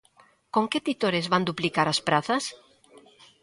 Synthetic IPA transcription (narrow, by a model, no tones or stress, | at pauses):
koŋket̪it̪oɾezβand̪uplikaɾɐspɾaθɐs